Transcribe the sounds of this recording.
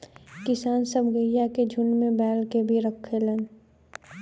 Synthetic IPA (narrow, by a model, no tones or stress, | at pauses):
kɪsaːnsəbʱɡəjjaked͡ʒʱʊnmẽbɛːlkebʱiɾəkʰːelən